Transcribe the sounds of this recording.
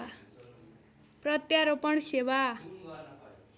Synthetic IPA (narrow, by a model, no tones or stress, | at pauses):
a | prʌt̪jaɾopʌɳsewa